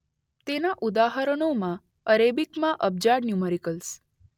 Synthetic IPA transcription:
t̪enaʔud̪aɦəɾəɳ̃omã | əɾebikmãʔəb̚d͡ʒaɽnjuməɾikəls

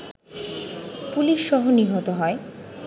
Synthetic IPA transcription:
puliʃːɔɦoniɦot̪oɦɔe

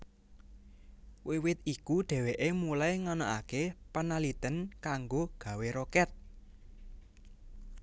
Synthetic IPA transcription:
wiwɪt̪̚ikuɖ̥ɛ̤weʔemulajŋanaʔakepanalit̪ənkaŋɡoɡ̥ä̤weɾɔkɛt̪̚

